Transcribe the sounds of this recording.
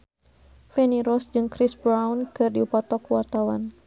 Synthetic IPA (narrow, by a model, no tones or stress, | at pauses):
fɛniɾɔsd͡ʒɨŋkɾisbɾawnkɨrdiupat̪ɔkwart̪awan